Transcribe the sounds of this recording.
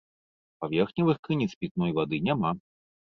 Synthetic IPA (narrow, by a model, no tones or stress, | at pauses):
pavʲɛrxnʲɐvɨxkɨnʲit̪spʲit̪̚nɔjvad̪ɨnʲama